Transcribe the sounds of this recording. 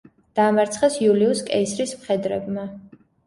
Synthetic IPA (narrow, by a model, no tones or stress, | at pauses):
d̪̥aːmaɾt̪sʰχɛsjuliuskʼɛisɾismχɛd̪ɾɛ̰bma